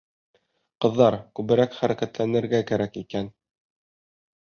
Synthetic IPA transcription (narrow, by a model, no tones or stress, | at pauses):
qɤ̆ðːɑɾkʉβɘ̆ɾækχæɾækæt̪lænɘ̆ɾɡækæɾækikæn